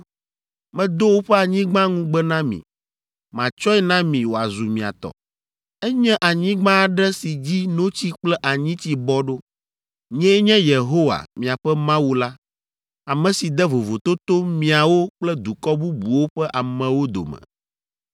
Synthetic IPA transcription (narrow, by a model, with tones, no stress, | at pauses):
mɛ̃˦d̪o˦wo˦ɸɛ˦a˨ɲĩ˦ɡ͡bã˦ŋũ˦ɡ͡bɛ˦nã˦mḭ̃˨ | mã˨t͡ʃɔ˦ɛ˦nã˦mĩ˨wo˨a̰˨zu˨mĩ˨a̰˨t̪ɔ̰˨ | ɛ˦ɲɛ̃˦ʔa˨ɲĩ˦ɡ͡bã˦˨ɖɛ˦si˨d͡ʑi˦nõ˦t͡ɕi˦k͡plɛ˦ʔa˨ɲĩ˦t͡ɕi˦bɔ˦ɖo˦ | ɲɛ̃˦ɲɛ̃˦je˨ɦo˦wa̰˨mĩ˨a˨ɸɛ˦mã˦wu˦la˦ | a˨mɛ̃˨si˨d̪ɛ˦vo˨vo˨t̪o˦t̪o˦mĩ˨a˨wo˦k͡plɛ˦d̪u˨kɔ˦bu˦bu˨wo˦ɸɛ˦ʔa˨mɛ̃˨wo˦d̪o̰˨mɛ̰̃˨